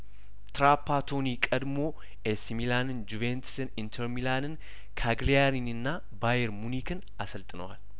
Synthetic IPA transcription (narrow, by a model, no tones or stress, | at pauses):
t̪ɾaːpːaːt̪ʰoːniːkʼɐd̪moː | ʔɛsmilaːnɪnd͡ʒuvent̪sɪnɪnt̪ʰɛɾmilaːnɪn | kʰaːɡlijaːɾinɪnːa | baːjɛɾmʊniːkɪn | ɐsɐlt̪ʼɪnwa̰l